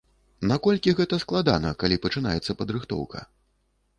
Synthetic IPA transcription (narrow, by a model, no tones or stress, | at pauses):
nakɔlʲkʲiɣɛt̪ɐsklˠad̪a̰nɐkalʲipɐt͡ʂɨn̪a̰jɛt̪sːɐpɐd̪ɾɨxt̪ɔ̰wkɐ̰